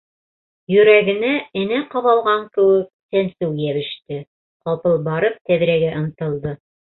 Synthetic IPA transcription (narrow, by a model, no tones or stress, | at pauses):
jɵ̆ɾæɡɘ̆næɘ̆næqɑβɑlˠʁɑŋkɘ̆wɘk̚sænsʉwjæβɘ̆ʃt̪ɘ | qɑlˠpɤlˠbɑɾɤp̚t̪æβ̆ɾæɡæʔŏn̆t̪ɤ̆lˠd̪ɤ